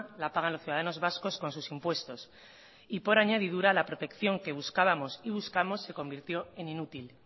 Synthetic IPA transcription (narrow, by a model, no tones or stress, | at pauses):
lapaɣ̞anlosθjuðaðano̞zβasko̞sko̞nsusimpwe̞st̪o̞s | ipo̞ɾaɲað̞iðuɾalapɾo̞t̪e̞kθjo̞ŋke̞β̞uskaβamo̞siβ̞uskamo̞sːe̞ko̞mbiɾt̪jo̞e̞ninut̪il